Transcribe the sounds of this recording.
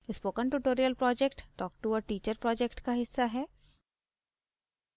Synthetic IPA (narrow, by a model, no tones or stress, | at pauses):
ɪspoːkə̃nʈuʈoːɾijəlpɾɔːd͡ʒɛkʈʈɔːk̚ʈuɔɾʈiːt͡ʃəɾpɾɔːd͡ʒɛkʈkaɦɪsːaɦɛː